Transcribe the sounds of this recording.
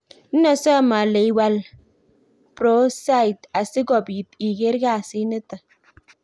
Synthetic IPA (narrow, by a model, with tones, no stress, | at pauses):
n̩˦na˨sɔ˦˨ma˨le˨jwa˨l | pɾo˦sa˦i˨ta˨si˦ɡɔ˨bi˨ti˨ɡe˦ɾɡa˦˨si˦ni˦tə˨